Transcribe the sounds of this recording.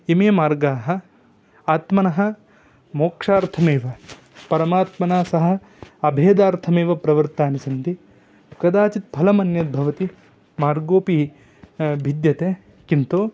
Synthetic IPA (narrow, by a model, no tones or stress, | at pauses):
imeːmaːɾɡaːɦɐ̆ | aːt̪mɐnɐɦɐ̆ | moːkʂaːɾt̪ʰɐmeːʋɐ | pɐɾɐmaːt̪mɐnaːsɐɦɐ̆ | ɐbʱeːd̪aːɾt̪ʰɐmeːʋɐpɾɐʋɐɾt̪aːnisɐnt̪i | kɐd̪aːt͡ʃit̪̚pʰɐlɐmɐnjɐd̪̚bʱɐʋɐt̪i | maːɾɡoːpi | bʱid̪jɐt̪eː | kint̪oː